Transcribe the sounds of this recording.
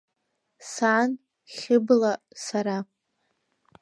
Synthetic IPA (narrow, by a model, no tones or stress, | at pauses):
saːn | χʲɪblasaɾa